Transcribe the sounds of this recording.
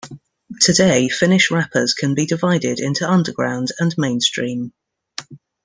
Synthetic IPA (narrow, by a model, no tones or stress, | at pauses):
tʰədeɪfɪnɪʃɹapʰə̰z̥kʰə̃nbidɪvaɪdɪdɪ̃ntuʌ̃ndəɡɹã̰ʊ̃ndə̃nmẽɪ̃nstɹ̥ĩːm